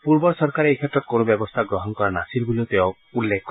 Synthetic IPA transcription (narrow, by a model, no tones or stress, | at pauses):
puɾbɔɾɔsɔɾkaɾejkʰet̪ɾɔt̪konobjɔbɔst̪ʰaɡɾɔɦɔnkɔɾɔnasilbuliot̪eõ | ulːekʰɔkɔ